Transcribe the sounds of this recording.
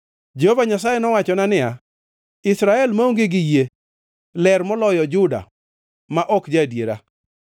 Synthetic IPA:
d͡ʒehovaɲasajɛnɔwat͡ʃɔnanɪja | ɪsɾaɛlmaoŋɡɪɡɪje | lɛɾmɔlɔjɔd͡ʒʊda̰ | maʔɔkd͡ʒadjeɾa̰

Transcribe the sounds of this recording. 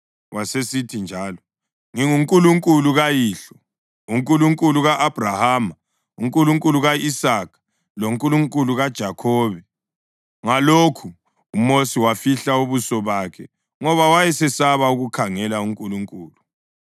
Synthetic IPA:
wasesitʰind͡ʒʱaːlɔ | ŋiŋuŋkʼuluŋkʼuluɣajiːɬɔ | uŋkʼuluŋkʼuluɣaʔab̥ʱrahaːma | uŋkʼuluŋkʼuluɣaisaːkʰḁ | loŋkʼuluŋkʼuluɣad̥ʒ̥ʱakʰɔːβɛ | ŋalokʰuː | mosiwafiɬauβusɔβakʰɛ | ŋɔβawajɛsɛsaβauɣukʰaŋɛlauŋkʼuluŋkʼuːlu

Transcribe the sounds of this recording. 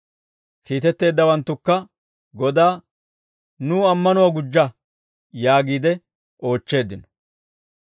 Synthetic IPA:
kiːt̪ɛt̪ːe̞ːd̪ːɐwɐnt̪ːʊkːɐ | ɡɔd̪aː | nuːɐmːɐnʊwaɡʊd͡ʒːɐ | jaːɡiːd̪ɛ | o̞ːt͡ʃːe̞ːd̪ːɪnɔ̥

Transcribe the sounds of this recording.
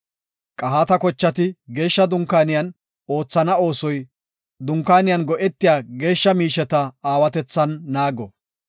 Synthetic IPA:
kʼɐɦaːt̪ɐkɔt͡ʃːɐt̪ɪɡe̞ːʃːɐd̪ʊŋkaːnɪjɐn | o̞ːt͡sːɐnɐo̞ːsɔj | d̪ʊŋkːaːnɪjɐnɡɔʔɛt̪ːɪjaːɡe̞ːʃːɐmiːʃɛt̪ɐaːwɐt̪ɛt͡sːɐnːaːɡɔ

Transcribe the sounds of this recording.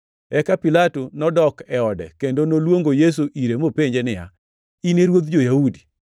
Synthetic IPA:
ɛkapilatonɔdɔkɛɔdɛ̰kendonolwoŋɡojes̬uʔiɾemopeɲd͡ʒenɪja̰ | ineɾwod̪d͡ʒojaudi̥

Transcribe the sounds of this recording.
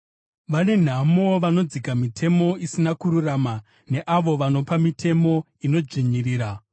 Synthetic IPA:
ʋane̞n̤amo̞ʋano̞d͡zikamitʰe̞mo̞isinakuɾuraːma | ne̞ʔaʋo̞ʋano̞pamitʰe̞mo̞ | ino̞d͡ʒiɲiriːɾa

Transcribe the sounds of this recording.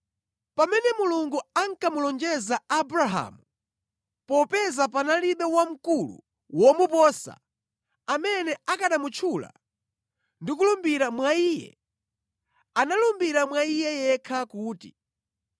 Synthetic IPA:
pamɛnɛmuluŋɡuaŋ̩kamulɔnd͡ʒɛzaːbɾaɦa̰mu | pɔpɛzapanaliɓɛwam̩kulṵ | wɔmupɔsa̰ | amɛnɛakaɗamut͡ʃʰula̰ | ndik̬ulumbiɾamwaiːjɛ̰ | analumbiɾamwaijɛjɛkʰakuːtḭ

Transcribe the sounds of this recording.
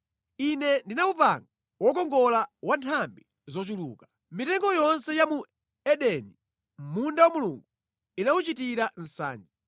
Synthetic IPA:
inɛndinaupa̰ŋɡa | wɔkɔŋɡɔlawantʰambi | zɔt͡ʃuluːka | mitɛŋɡɔjɔnsɛjamu | ɛɗɛni | mmundawamuluŋɡu | inaut͡ʃitiɾan̩sa̰ːnd͡ʒi

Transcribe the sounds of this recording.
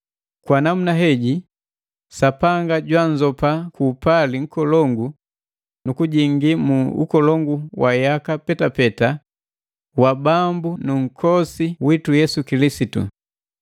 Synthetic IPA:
kwanam̩naɦɛɟi | sapaŋɡaɟwaɲd͡ʒɔpakuːpaliŋ̩kɔlɔŋɡu | nukuɟiŋɡimuṵkɔlɔŋɡuwajakapɛtapɛta | wabambunuŋ̩kʰɔsiwitujɛsukilisitṵ

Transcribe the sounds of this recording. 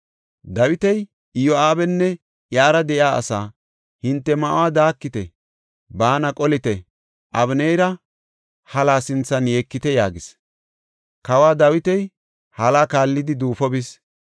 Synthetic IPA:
d̪ɐwɪt̪ɛj | ɪjɔaːbɛnːɛ | ʔjaːɾɐd̪ɛʔjaːɐ̰saː | hɪnt̪ːɛmɐʔʊwaːd̪aːkːɪt̪ɛ | baːnɐkʼɔlɪt̪ɛ | ʔɐβnɛjɾɐ | hɐlaːsɪnt͡sːɐnjeːkːɪt̪ɛjaːɡɪs | kɐwaːd̪ɐwɪt̪ɛj | hɐlaːkaːlːɪd̪ɪd̪uːfɔbɪs

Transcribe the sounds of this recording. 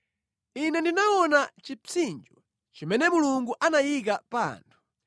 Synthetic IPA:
inɛndinaɔnat͡ʃit͡sind͡ʒɔ | t͡ʃimɛnɛmuluŋɡuʔanajikapa̰ːntʰu̥

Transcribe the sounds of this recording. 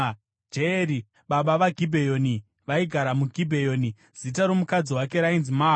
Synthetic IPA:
d͡ʒeɾi | ɓaɓaʋaɡʱibʱejo̞ːni | ʋaiɡʱaɾamuɡʱibʱe̞jo̞ːni | z̥itaɾo̞mukad͡ziwak̬e̞ɾainzimaː

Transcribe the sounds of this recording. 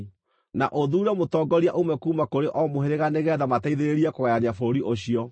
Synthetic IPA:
na̰ʔoðuːɾɛmotɔːɡɔɾiaʔomɛkuːmakoɾeʔɔmoɦeɾeɣaneɣɛːðamataiðeɾeɾiɛkoɣɛanjafoɾiʔoɕiɔ

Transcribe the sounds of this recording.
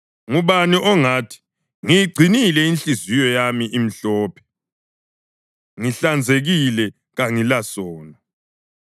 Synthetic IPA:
ŋuβaniʔɔŋaːtʰi̥ | ŋijiɡ͡ǀʱinilɛinɬizijɔjamiʔim̩ɬɔːpʰɛ̥ | ŋiɬand͡zʱeɣilɛ | ɣaŋilasɔːna

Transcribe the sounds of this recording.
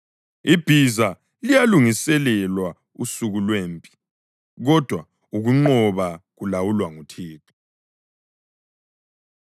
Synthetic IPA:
ib̥ʱiza | lijaluŋisɛlɛlwa | usuɣulweːmpʼi̥ | ɣɔd̥ʱwa | uɣuŋ͡ǃɔβaɣulawulwaŋutʰiːtʰu̥

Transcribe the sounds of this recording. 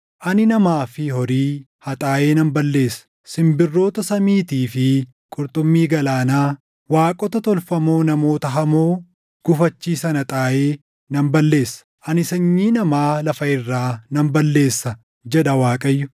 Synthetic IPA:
ʔɐnɪnɐmaːfɪhɔɾiː | hɐt̪ʼaːʔe̞ːnɐmbɐlːe̞ːsɐ̥ | sɪmbɪrːo̞ːt̪ɐsɐmiːt̪iːfɪ | kʼʊɾt̪ʼʊmːiːɡɐlaːnaː | waːkʼɔt̪ɐt̪ɔlfɐmoːnɐmo̞ːt̪ɐɦɐmoː | ɡ̥ʊfɐt͡ʃːiːsɐnɐt̪ʼaːʔeː | nɐmbɐlːe̞ːsːɐ̥ʔɐnɪsɐɲːiːnɐmaːlɐfɐɪrːaːnɐmbɐlːe̞ːsːɐ | d͡ʒɛᶑɐwaːkʼɐjːʊ

